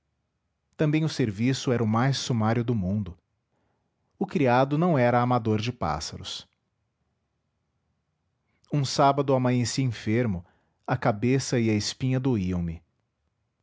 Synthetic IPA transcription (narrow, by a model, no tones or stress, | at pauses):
t̪ɐ̃bẽj̃ʊseɾvisʊɛɾɐʊmajsːumaɾjʊd̪ʊmũnd̪ʊ | ʊkɾiad̪ʊnɐ̃w̃ɛɾɐːmad̪oɾd͡ʒɪpa̰sɐ̰ɾʊ̰s | ũsabɐd̪ʊamɐɲesiẽfeɾmʊ | ɐkabesɐɪɐɪspĩɲɐd̪oiɐ̃w̃mɪ